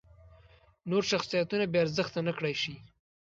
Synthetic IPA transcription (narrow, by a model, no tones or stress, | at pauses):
noɾʃaxsijat̪unabeaɾzəxt̪anakɽajʃi